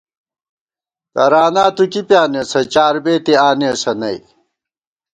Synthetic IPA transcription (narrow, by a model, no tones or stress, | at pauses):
kɐɾaːnaːt̪ukipjaːnesɐt͡ɕaːɾbeːt̪iaːnesɐnɐi